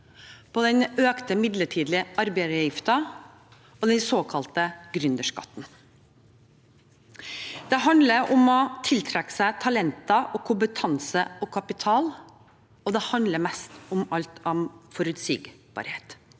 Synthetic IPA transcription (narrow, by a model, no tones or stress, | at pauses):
pʰoːd̪ɛnøːkt̪əmɪd̪ləʈʰiːd̪lɪɑɾbæɪjɪft̪ɑ | ɔd̪ɛnsoːkʰɑlt̪əɡɾʉnd̪əʂkɑ̰t̪ːn̩ | d̪̥ɛɦɑnd̪ləɾʔʊmɔt̪ʰɪlt̪ʰɾɛkːə̥sæɪt̪ʰɑlɛnt̪ɑʔɔkʰʊmpət̪ʰɑnsəɔkʰɑpɪt̪ʰɑːl | ɔd̪ɛhɑnd̪ləɾmɛst̪ʊmɑlt̪ʰɔmfɔɾʉt̪sḭːɡbɑ̰ɾheːt̪